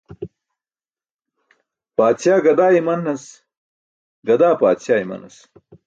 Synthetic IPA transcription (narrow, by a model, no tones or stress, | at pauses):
paːt̪sjaːɡɐd̪aːimɐnːɐs | ɡɐd̪aːpaːt̪sjaːimɐ̰nɐ̰s